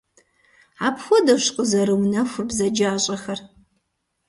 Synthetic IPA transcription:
aːpxʷɔdɐɕqʼəzɐɾɨwnɐxʷʊrbzɐd͡ʒaːɕʼɐxɐr

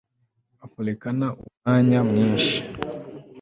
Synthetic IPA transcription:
akolekanaʔumaɲamɲiːnʃi̥

